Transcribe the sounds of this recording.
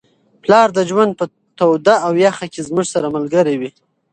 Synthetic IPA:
plɑɾd̪əd͡ʒwand̪̚pə | t̪awd̪aawjaxakezmuʐsaɾaməlɡəɾewi

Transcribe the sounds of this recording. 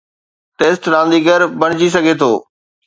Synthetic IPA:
ʈeːsʈɾãːnd̪iɡəɾbɐɽ̃ɪd͡ʑis̬ɐɡʱet̪ʰoː

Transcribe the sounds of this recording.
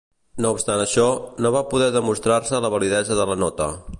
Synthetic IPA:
noupst̪anəʃɔnoβapuðɛðəmust̪ɾarsələβəliðɛzəðələnɔt̪ə̰

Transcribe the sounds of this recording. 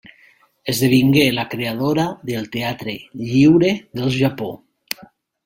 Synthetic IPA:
ezðeβ̞iŋɡelakɾeaðoɾaðelˠt̪eat̪ɾeʎiwɾeðelˠʒapo

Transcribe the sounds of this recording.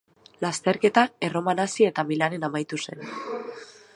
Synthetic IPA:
last̪e̞ɾke̞t̪aero̞manasie̞t̪amilane̞namajt̪use̞̰n

